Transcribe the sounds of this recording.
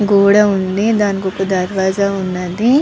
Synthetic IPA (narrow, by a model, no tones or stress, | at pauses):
ɡoːɽaɦũnd̪ed̪ɐnɡokud̪ɐɾʋaːzaɦunad̪i